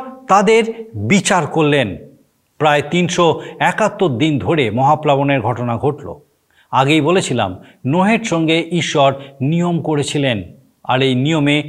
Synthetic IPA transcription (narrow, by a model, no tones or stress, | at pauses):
t̪ad̪eɾbit͡ɕaɾkoɾlen | pɾaet̪inʃoɛkat̪ːoɾd̪ind̪ʱoɾemɔɦaplaβoneɾɡʱɔʈonaɡʱoʈlo̰ | aɡejbolet͡ɕʰila̰mnoɦeɾʃɔŋɡeʔiʃːɔɾnijomkoɾet͡ɕʰilen | a̰ɾejnijome